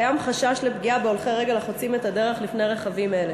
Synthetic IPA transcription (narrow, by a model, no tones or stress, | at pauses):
jamχaʃaʃlepɡiabeolχeʁeɡelaχot͡simet̪ad̪e̞ʁe̞χlifne̞ʁeχavime̞le